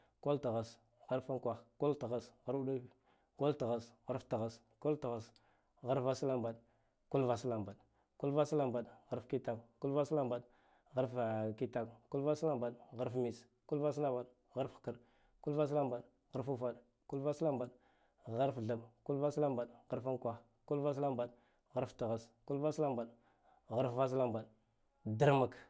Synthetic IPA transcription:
ko˦lta˨ɣa˨s | ɣa˦ɾfa˦ŋkʷa˨xko˦lta˨ɣa˦sɣa˦ɾu˦ɗu˦ | ko˦lta˨ɣa˦sɣa˦ɾfta˨ɣa˨s | ko˦lta˨ɣa˨s | ɣa˦ɾva˦sla˦mba˨ɗ | ku˦lva˨sla˨mba˨ɗ | ku˦lva˦sla˦mba˨ɗɣa˦ɾfki˦ta˦kku˦lva˦sla˦mba˨ɗ | ɣa˦ɾfki˦ta˦˨kku˦lva˦sla˦mba˨ɗɣa˦ɾfmi˨s | ku˦lva˦s̬la˦mba˨ɗ | ɣa˦ɾfkə˦˨ɾ | ku˦lva˦s̬la˦mba˨ɗ | ɣa˦ɾfu˦fa˦˨ɗ | ku˦lva˦sla˦mba˨ɗ | ɣa˦ɾfɮa˨mku˦lva˦sla˦mba˨ɗɣa˦ɾfa˦n˦kʷa˦x | ku˦lva˦s̬la˦mba˨ɗ | ɣa˦ɾfta˨ɣa˦sku˦lva˦sla˦mba˨ɗ | ɣa˦ɾfva˦s̬la˦mba˨ɗ | də˦ɾma˨k

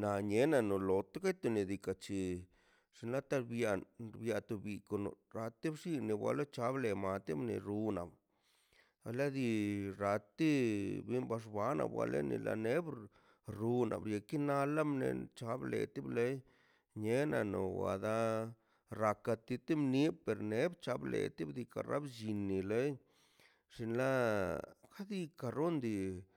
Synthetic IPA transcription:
na˨ɲe˦na˧no˨lo˨t̪o˦ka˦jt̪u˧ni˨d̪i˧ka˧t͡ʃi˨ | ʂi˧nla˦t̪a˦bja˧ɾbja˧t̪u˧bi˧ko˧no̰˧ɾa˧t̪i˦bʂi˦ne˧˨bwa̰˧lo˦t͡ʃa˦ble˧ma˧t̪i˦mnḛ˧ɾu˧na̰˨b | a˧la˦d̪i˧ɾa˧t̪i˦bi˦mba˧ʂba˦na̰˨bwa̰˧lḛ˦nḭ˧lʔa̰˧ne˦bɾ | ɾu˧na̰˨bɾje˨ki˦na˧la˦mne˧˨t͡ʃa˧˦blḛ˨t̪i˦ble˦j | ɲe˦na˧no˨wa̰˨d̪a˦ | ɾa˧ka˧t̪i˧t̪i˦mni˦pe˨ɾne˦bt͡ʃa˧blḛ˨t̪i˦bd̪i˧ka˨ɾʔa̰˦bd͡ʒi˧nːi˨le˦j | ʂi˧nla˦ | ka˦d̪i˦ka˧ɾo˦nd̪i˧

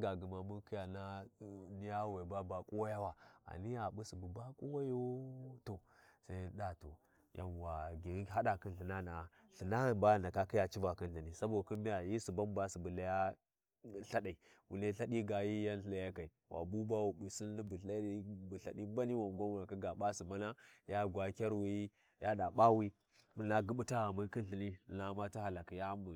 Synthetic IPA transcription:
ɡa˨ɡə˨ma˨mu˦nki˦ja˨na˦ni˦ja˦we˨ba˦ba˨kʼo˦wa˦ja˦wa˨a̰˨ni˦a˨bu˦si˨bu˨ba˦kʼo˦wa˦jo˦to˨ | sa˦ɗa˦to̰˨ | ja̰˨n˨wa˨ɡi˨ɾi˦ɦa˦ɗa˨ki˦nɬə˨na˦na˨a˨ | ɬi˨na˦a˨nba˦a˨nda˨ka˦ki˦ja˨t͡ʃi˦va˨ki˦nda˨ni˨sa˦bo˨ku˦bi˦ja˨ji˦si˨ba˦mba˦si˨bu˨la˦ja˦ | ɬa˦ɗa˨i˨ | wṵ˨le˦ɬa˦ɗi˦ɡa˨ji˦ja˦ɬla˨ja˦ka˨i˨wʔa̰˨bu˦ba˦wu˨bu˨si˦lni˦bu˨ɬa˦i˦bu˨ɬa̰˨ɗi˦m˦ba˦ni˦wa˨ŋ˨ɡʷa˦wu˦˨na˨ki˦ɡa˨ɓa˦si˨ma˦na˦ja˦ɡʷa˨˦kʲa˦ɾwi˦ | ja˦da˨ɓa˦wi˦ | mə˨na˨ɡə˦ɓu˦ta˦a˨mu˦ki˦nɬi˨ni˦˨na˦ma˦ti˦ha˨la˨ki˨ja˦mu˨

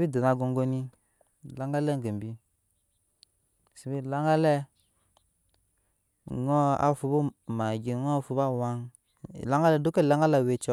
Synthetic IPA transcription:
bi˦du˨na˨ɡo˨ŋɡo˦ni˦ | la˦ŋɡa˦le˦ŋ˨ɡə˨mbi˦ | si˨bi˦la˦ŋɡa˦lɛ˦ | ŋo˦a̰˦fu˨bu˦ma˨ɡi˨ŋo˦fu˨ba˦˨wa˦ŋ˨ | la˦ŋɡa˦lɛ˦˨du˦ke˦˨la˦ŋɡa˦la˨we˨t͡ʃɔ˦

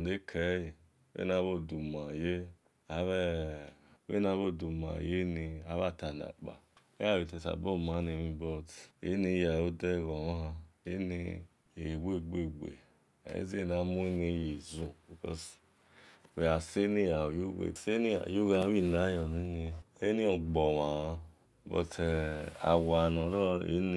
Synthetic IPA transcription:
de˦kʰe˨˦ji˨˦ | ḛ˦na˨˦βo˦˨du˨m˨a˨je˦ | a˨˦βɛ˦ | ḛ˦na˧˦βo˦˨du˨ma̰˨je˦ni˨a˨˦βa˦˨ta˨na̰˨k͡pa̰˨ | e˦a˦˨i˨te˨sa̰˨bo˦˨ma˨˦ne˨mi˦bɔ˦tḛ˦ni˧˦ja˨o˦de˦˨ɡɔ˨o˦ɦa˧e˦ni˧ | e˨we˦˨ɡ͡be˦˨ɡ͡bḛ˨ | a̰˨ḛ˦ze˦˨na˨˦mu˦e˦ne˧˦je˨zũ˨bi˨kɔ̰˦s | we˨a˨se˦ni˦ja˨o˨ju˦wḛ˦˨se˦ni˦a̰˨ju˦ɣa˧˦wi˦˨na˨˦jɔ˨ni˨˦ne˧e˦ni˦ɔ˨ɡ͡bɔ˨wa˨˧ | bɔ̰˨te˨a̰˨wa˨nɔ˨nɔ˦˧ḛ˨˦n˦

